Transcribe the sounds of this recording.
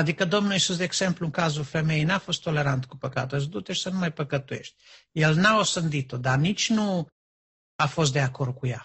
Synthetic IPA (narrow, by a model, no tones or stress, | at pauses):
ad̪ikəd̪omnuisus̬d̪eeɡsempluŋkazufemejnafost̪ːoleɾant̪kupəkat̪os̬d̪ut̪eʃsənumajpəkət̪uḛʃt̪̚ʲjelnaosɨnd̪it̪od̪anit͡ʃnu | afost̪̚d̪eakord̪̚kuja̰